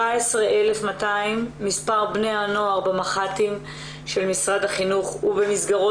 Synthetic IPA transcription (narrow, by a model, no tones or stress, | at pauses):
aesʁeʔele̞fmataimːispaʁbneano̞aʁbemaχatim | ʃe̞lmisʁad̪haχinuχubemisɡaʁo